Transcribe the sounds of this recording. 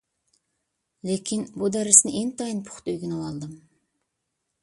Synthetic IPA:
lekʲʰinbud̪æɾɪsnɪʔent̪ʰɑjinpʰʊ̥χt̪øjɡʲynɨwɑlˠd̪ɨm

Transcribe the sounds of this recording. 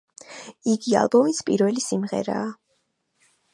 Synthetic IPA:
iɡia̰lˠbɔmispʼiɾvɛlisimʁɛ̰ɾa̰ː

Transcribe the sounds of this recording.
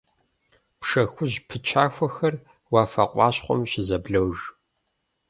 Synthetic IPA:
pʂɐxʷʊʑpʰɨt͡ʃʰaːxʷɔxɐr | waːfɐ̰qʷʼɑːɕχʷɔ̰mɕɪzɐbɮɐwʒ

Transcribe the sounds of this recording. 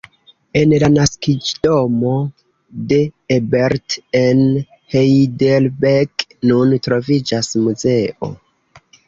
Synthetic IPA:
e̞nlanaskid͡ʒdomo̞ | de̞ebeɾten | hejdelbeknuntɾo̞vid͡ʒasmuze̞ʔo̞̰

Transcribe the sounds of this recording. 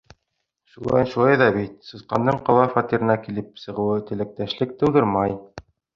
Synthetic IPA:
ʃulˠɑ̰jnʃulˠɑjðɑβit̪̚sɤ̆sqɑnd̪ɤɴqɑlˠɑfɑt̪iɾɘ̆nækilɘp̚sɤ̆ʁɤ̆wɤt̪ɘ̆læk̚t̪æʃlɘk̚t̪ɤ̆wˠd̪ɤɾmɑj

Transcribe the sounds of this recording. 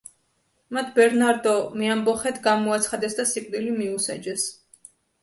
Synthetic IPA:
mat̪ʰbɛɾnaɾd̪ɔmiambɔχɛt̪ʰɡamɔat̪sʰχad̪ɛsd̪asikʼnilimiusa̰d͡ʒɛs

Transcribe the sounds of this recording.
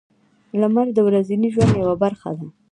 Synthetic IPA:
lamaɾd̪əwɾaziniʒwand̪jawabaɾxa̰d̪a

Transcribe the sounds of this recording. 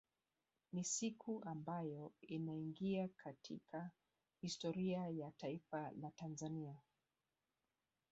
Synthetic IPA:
nisikʰuʔambajɔinaiŋɡiakʰatʰḭkʰa | histɔɾiajataifalatanzania

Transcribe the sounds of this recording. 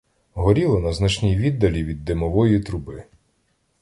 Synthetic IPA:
ɦɔɾʲilˠɔnɐznɐt͡ʃnʲijʋʲid̪ːɐlʲiʋʲid̪ːemɔʋɔjit̪ɾʊbɪ

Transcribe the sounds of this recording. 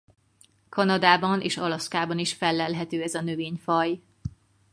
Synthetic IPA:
kʰɒnɒd̪aːbɒneːʃɒlɒskaːbɒniʃfɛlːɛlɦɛt̪øːɛzɒnøveːɲfɒj

